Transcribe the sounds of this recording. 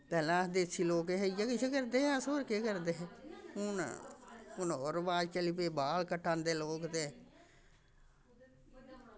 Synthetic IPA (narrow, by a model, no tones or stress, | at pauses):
pɛːlãːəsd̪eːsʰiːloːkeɦejakɪsʰekəɾd̪eːɦɛ̃soːɾkeːkəɾd̪eːɦɛːʊn | ʊnoɾbaːɾt͡ʃəlipeːbaːlkəʈʰːaːnd̪eːloːkt̪eː